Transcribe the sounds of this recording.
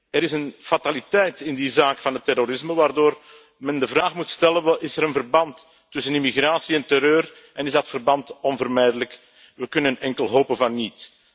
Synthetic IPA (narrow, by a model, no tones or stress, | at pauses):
ɛɾɪsənfatalitɛjtɪndizaːkfɑnɦətːɛroɾɪsməʋaːrdoːr | mɛndəvraːχmutstɛləɪsɛɾənvərbɑntː | ʏsənimiɣraːsiɛntɛɾøːr | ʔɛnɪzdɑtfərbɑntɔnvərmɛjdələk | ʋəkɵnənɛŋkəlˠɦoːpənvɑnːit